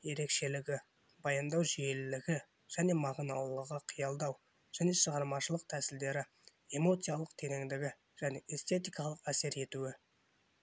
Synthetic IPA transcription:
je̞ɾe̞kʃe̞lɪɡʲɪ | bɑjɑnd̪ɑwʒije̞lɪlɪɡʲɪ | ʒ̥æne̞mɑʁnɑlˠəʁɑqʰijɑlˠd̪ɑw | ʒ̥æne̞ʃəʁɑɾmɑʃəlˠəq̚t̪ʰæsɪld̪e̞ɾɪ | e̞mo̞t̪sɨjalˠəqt̪ʰe̞neŋd̪ɪɡʲɪ | ʒ̥æne̞ʔest̪e̞t̪ijkɑlˠəqæse̞ɾe̞t̪uɪ

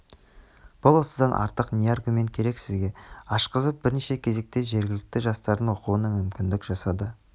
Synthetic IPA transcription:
b̥ʊlˠwo̞səd̪ɑnʔɑ̰ɾt̪əqnʲijarɡument̪̚kʲʰe̞ɾe̞ksɪzɡʲe̞ɑʃqəzəp̚bɪɾneʃe̞kʲʰe̞ze̞k̚t̪e̞ʒe̞ɾɡʲɪlɪk̚t̪ɪʒɑst̪ɑɾd̪ənoquənɑmʏmkʲɪnd̪ɪkʒ̥ɑsɑd̪ə

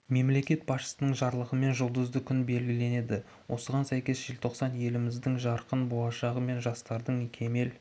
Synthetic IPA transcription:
me̞mle̞kʲe̞t̪̚bɑsʃə̥sənəɴʒɑɾlˠəʁəme̞nʒʊlˠd̪əzd̪əkʲʰʏnbe̞lɡʲɪle̞ne̞d̪ɪ | wʔo̞səʁɑnsæjkʲe̞sʒelt̪ʰo̞qsɑnje̞lɪmɪzd̪ɪŋʒɑɾqənbolˠɑʃɑʁəme̞nʒɑst̪ɑɾd̪əɴkʲʰe̞me̞l

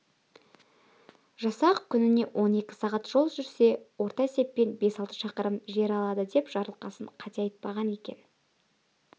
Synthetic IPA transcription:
ʒɑsɑqkʲʰʏnɪne̞wʔo̞ne̞kʲɪ̥sɑʁɑt̪ʒ̥o̞lˠʒʏɾse̞wo̞ɾt̪ɑese̞pːe̞nbe̞sɑlˠt̪əʃɑqəɾəmʒe̞ɾɑlˠɑd̪əd̪e̞pʒ̥ɑɾəlˠqɑsəɴqʰɑt̪eɑjət̪̚pɑʁɑne̞kʲe̞̰n

